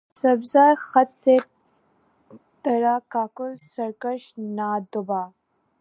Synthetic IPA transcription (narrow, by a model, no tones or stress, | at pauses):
sɐbzaːjxat̪se | t̪ɐɾakaːkʊlsɐɾkaʃnaːd̪ʊbaː